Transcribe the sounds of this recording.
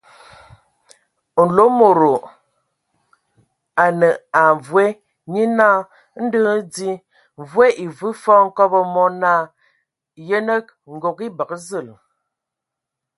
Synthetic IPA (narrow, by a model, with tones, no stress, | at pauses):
n̩˨lo˦mo˨ɾo˨ | a˨nə˨a˨ɱ˨vwe˦ | ɲi˦na˦˨˦ | n̩˦də˦di˦ | ɱ˨vwe˦ʔi˨vɨ˦fɔ˦ŋ̩˦kɔ˦bə˦mɔ˦na˦˨ | jə˦nə˦k̚ŋ̩˨ɡo˨ki˦bə˨kə˦zə˦˨l